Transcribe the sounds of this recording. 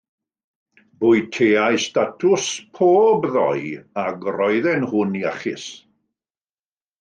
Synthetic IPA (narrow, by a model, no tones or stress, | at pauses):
bʊːɨjtʰeːajstatʰʊspʰoːbðɔ̰jaɡrɔjðɛnhʊnia̰χɪ̰s